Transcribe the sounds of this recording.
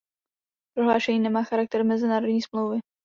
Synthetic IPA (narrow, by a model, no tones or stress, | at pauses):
pɾoɦlaːʃɛɲiːnɛmaːxaɾak̚t̪ɛɾmɛzɪnaːɾodɲiːsmlowvɪ